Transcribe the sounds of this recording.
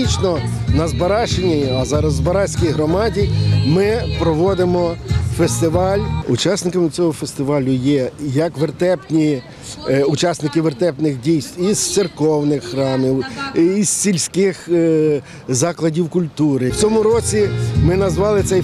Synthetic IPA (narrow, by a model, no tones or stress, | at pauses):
it͡ʃnɔ | nɐzbɐɾɑʃenʲiɐzɑɾɐzːbɐɾɑsʲkijɦɾɔmɑdʲimɪpɾɔʋɔd̪ɪmɔfest̪ɪʋɑlʲṵt͡ʃɑsnɪkɐmɪt͡sʲɔɦɔfest̪ɪʋɑlʲʊjɛjɐkʋert̪ɛpnʲi | ʊt͡ʃɑsnɪkɪʋert̪ɛpnɪxdʲijst̪ʲiz̥t̪serkɔwnɪxːɾɑmɪwːssʲilʲsʲkɪx | zɑklˠɐdʲiwkʊlʲt̪uɾɪwt͡sʲɔmʊɾɔt͡sʲimɪnɐzʋɑlˠɪt̪sɛj